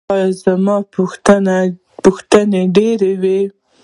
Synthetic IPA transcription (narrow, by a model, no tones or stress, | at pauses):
jzamɑpt̪ana | pʊxt̪əneɖeɾewe